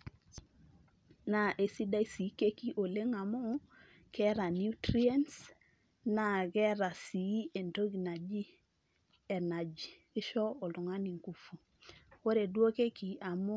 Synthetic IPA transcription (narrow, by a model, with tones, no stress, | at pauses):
na˨ʔe˨si˦da˦i˦si˨˦ke˦ki˦ʔo˨le˦ŋa˨mʊ˦ | kɛ˦ɾa˨nu˦tɾi˦a˦ns | na˦˨ɣɛ˦ɾa˨si˨˦e˨nto˦ɡina˨d͡ʒi˦ | ɛ˨na˨d͡ʒkɪ˦ʃɔ˦ɔ˨lu˨ŋa˦ni˨ŋku˦fu˨ | ko˦ɾe˨dwo˦ke˦ki˨a˨mʊ˦